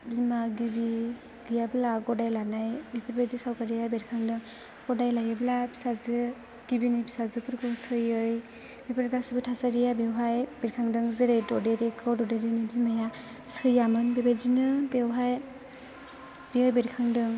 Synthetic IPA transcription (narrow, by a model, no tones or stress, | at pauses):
bimaɡibi | ɡɯjablaɡɔdajlanajbepʰaɾbajzisawkaɾijabeɾkʰaŋdɯŋ | ɡ̥ɔdajlajablabʰi̥sazɯ | ɡ̥ibinibi̥sazɯpʰɯɾkʰɔsɯjɯj | bepʰiɾɡasibɯtʰasaɾijabewɦajb̥eɾkʰaŋdɯŋzɯɾejdɔdeɾekʰɯdɔdeɾenibizimaja | sɯjamɯnbebajzinɯbewɦaj | b̥iɯjbeɾkʰaŋdɯŋ